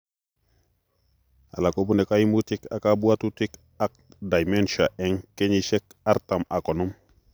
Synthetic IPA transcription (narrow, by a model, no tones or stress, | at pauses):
alakobunekajimutika̰kabuatutik | ak̚ | dajmenʃaʔeŋkeɲiʃek | aɾtamakonum